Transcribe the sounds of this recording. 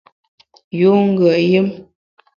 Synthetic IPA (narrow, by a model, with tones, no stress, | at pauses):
ju˨˦ŋ̩˦ɡə˨ʔjə˦m